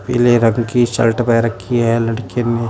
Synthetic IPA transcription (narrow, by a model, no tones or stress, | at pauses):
pɪ̰leɾɐŋɡkit͡ʃɐ̰lʈpɛɾɐkʰːiɦɛlɐɽkene